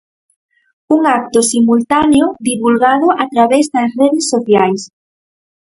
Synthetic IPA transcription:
uŋak̚t̪ʊsimult̪aneoðiβulɣaðʊʔat̪ɾaβezðɐsreðɪsːoθjajs

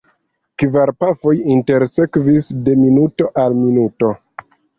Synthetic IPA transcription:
kvaɾpafo̞jinte̞ɾse̞kvisde̞minuto̞ʔalminuto̞

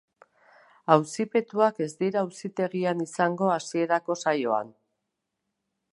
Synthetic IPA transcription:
awsipe̞t̪uake̞zd̪iɾawsit̪e̞ɣianisaŋɡo̞asie̞ɾako̞sajo̞a̰n

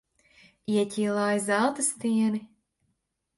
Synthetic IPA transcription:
iɛcʲiːlˠaːjzalˠt̪ɐst̪iɛni

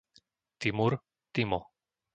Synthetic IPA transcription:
t̪imuɾ | t̪imɔ

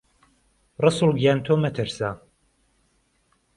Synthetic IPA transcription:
rɨsulɡjant̪ʰoːmɛt̪ʰɨɾsa

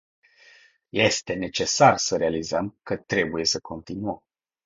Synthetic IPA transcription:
je̞st̪e̞ne̞t͡ʃe̞sarsəɾe̞alizəmkət̪ɾe̞buje̞səkʰo̞nt̪inuəm

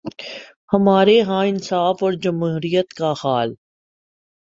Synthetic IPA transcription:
hɐmaːɾeɦãɪnsaːfɔːɾd͡ʒɐmɦuuːɾijət̪kaxaːl

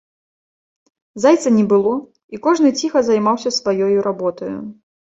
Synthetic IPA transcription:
zajt̪sɐnʲɛbɨlˠɔ | ikɔʐnɨt͡sʲixɐzajmawsʲɐsvajɔjuɾʔabɔt̪ɐjṵ

